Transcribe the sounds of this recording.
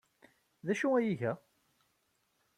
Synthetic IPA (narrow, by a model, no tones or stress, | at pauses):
ðæʃuæjiʝæ